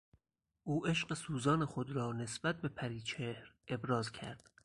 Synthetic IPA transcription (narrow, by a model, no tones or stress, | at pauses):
ʔuːʔe̞ʃɢesuːzɒːnexod̪ɾɒːne̞sbæt̪̚be̞pʰæɾiːt͡ʃʰehɾe̞bɾɒːzcʰæ̰ɾd̪̥